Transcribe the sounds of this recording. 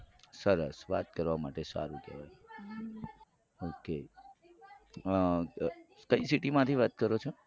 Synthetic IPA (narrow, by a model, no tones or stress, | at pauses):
səɾəsʋat̪kəɾʋamaʈesa̰ɾũkɛ̰ʋaj | oke | kəisiʈimãt̪ʰiʋat̪̚kəɾot͡ʃʰo